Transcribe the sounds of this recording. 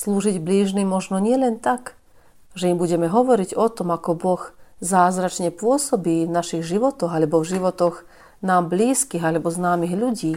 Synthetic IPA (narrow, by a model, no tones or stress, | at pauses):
sluːʒiɟbliːʒnimːɔʒnɔɲɪɛlɛnt̪ak | ʒɛimbuɟɛmɛɦɔʋɔɾiɟɔt̪ɔmakɔbɔxzaːzɾat͡ʃɲɛpʊɔsɔbiːnaʃiɣʒiʋɔt̪ɔɣalɛbɔvʒiʋɔt̪ɔɣ | naːmbliːskiːɣalɛbɔznaːmiɣʎuɟiː